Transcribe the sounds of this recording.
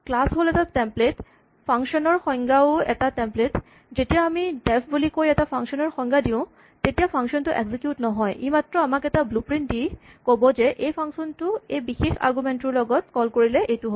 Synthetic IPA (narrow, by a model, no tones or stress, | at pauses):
klasɦolɛtatɛmplet | pʰaŋksɔnɔɹxɔjŋɡaʊɛ̰tatɛmplet | zetijaːmidɛpʰbulikojɛtapʰaŋsɔnɔɹxɔŋɡadiʊ̃ | tetijapʰaŋksɔntʊʔḛɡzikjutnɔɦɔjʔimatɹɔamakɛtablupɹindi | kobɔzɛʔejpʰaŋsɔntʊejbixexa̰ɹɡumɛntʊɹlɔɡɔtkɔlkoɹilɛʔejtʊɦo